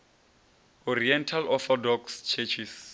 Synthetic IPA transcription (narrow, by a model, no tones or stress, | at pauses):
ɔriɛntʰalɔθɔdɔkst͡ʃʰɛt͡ʃʰis